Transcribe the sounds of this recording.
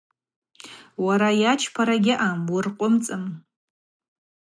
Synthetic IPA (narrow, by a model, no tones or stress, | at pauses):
waɾajat͡ʃʰpʰaɾaɡʲɪʔamurqʷʼʊmt͡sʼɨm